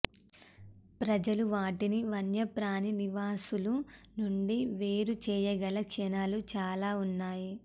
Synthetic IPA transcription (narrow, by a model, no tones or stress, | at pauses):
pɾɐd͡ʒɐluʋaːʈiniʋɐnjɐpɾaːniniʋaːsulunuɳɖiʋeːɾut͡ʃɛːjɐɡɐlɐkʃɐnalut͡ʃaːlaːunːaːji